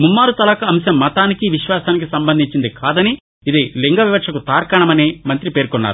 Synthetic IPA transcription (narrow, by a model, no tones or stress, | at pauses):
mumːaːɾut̪ɐlɐkɐɐmʃɐmːɐt̪aːnikiʋiʃʋaːsaːnikisɐmbɐnd̪ʱiɲt͡ʃind̪ikʰaːd̪ɐni | id̪iliŋɡɐʋiʋɐkʂɐkut̪aːɾkɐɳɐmɐneːmɐnt̪ɾipeːɾkɔnːa̰ːɾu